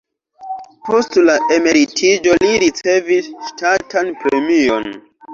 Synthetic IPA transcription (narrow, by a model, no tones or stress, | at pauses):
po̞stlaʔe̞me̞ɾitʰid͡ʒo̞liɾit͡se̞visʃtatanpɾe̞mio̞̰n